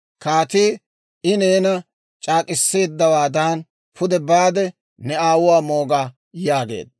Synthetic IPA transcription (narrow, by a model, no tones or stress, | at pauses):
kaːt̪iː | ɪneːnɐ | t͡ʃʼaːkʼɪsːe̞ːd̪ːɐwaːd̪aːn | pʰʊd̪ɛbaːd̪ɛ | nɛaːwʊwaːmo̞ːɡaː | jaːɡe̞̰ːd̪̚